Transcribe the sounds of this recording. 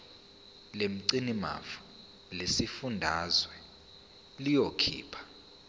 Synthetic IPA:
lem̩ǀinima̰fḁ | lesifundʱazwɛ | lijokʰḭːpʰḁ

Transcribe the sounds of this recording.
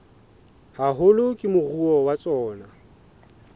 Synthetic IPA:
haɦʊlʊkʼɪmʊruɔwat͡sʼɔːna

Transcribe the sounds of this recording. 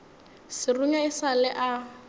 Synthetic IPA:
sɪruɲaɪsalɛʔa

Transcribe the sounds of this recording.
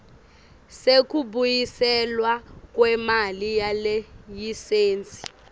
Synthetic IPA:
sek̬ʼuɓujisɛlwak̬ʼwɛmalijalɛjiseːnt͡sʼi̥

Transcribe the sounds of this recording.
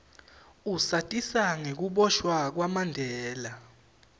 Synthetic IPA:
usatʼisaŋek̬uɓɔʃwak̬wamandʱɛːla

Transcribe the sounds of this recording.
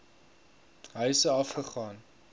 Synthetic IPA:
ɦəjsəɐfχəχɑːn

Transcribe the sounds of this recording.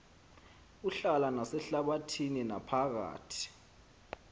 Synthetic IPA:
uɬalanasɛɬaɓatʰininapʰaɣ̬a̰ːtʰi̥

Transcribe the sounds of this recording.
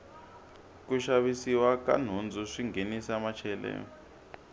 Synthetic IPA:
k̬uʃaɓisiwaka̰n̤und͡zʱuʂiŋɡʱenisamat͡ʃʰɛlɛ̰ːɔ

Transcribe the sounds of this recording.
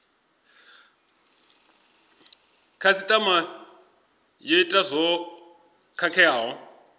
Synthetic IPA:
kʰasit̪ʼama | jeitʼazʷɔ | kʰakʰɛaːɦɔ

